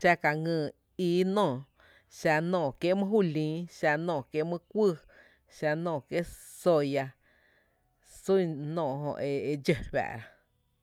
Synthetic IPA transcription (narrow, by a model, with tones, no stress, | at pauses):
t͡ʃa˧ka˨ŋɨ̃ː˧˨ | iː˧˦nɔ̃ː˧˨ | ʃa˧nɔ̃ː˧˨kje˦mɨ̃˦ɦuː˦˨lĩː˨˦ʃa˧nɔ̃ː˧˨kje˦mɨ̃˦kʷuɨ˦˨ | ʃa˧nɔ̃ː˧˨kje˦ʔ | so˧ja˧ | su˦˨nɔ̃ː˧˨ɦõ̰˧˨ʔe˧˨e˧d͡ʒə˧˨ɸa̰˧ʔɾa˨